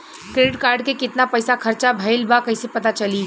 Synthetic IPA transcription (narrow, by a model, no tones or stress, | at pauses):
kɾeːɖɪʈkaːɾɖkekɪt̪napɐjsakʰɐɾt͡ʃabʱɐɪlbakɐɪsepɐt̪at͡ʃɐli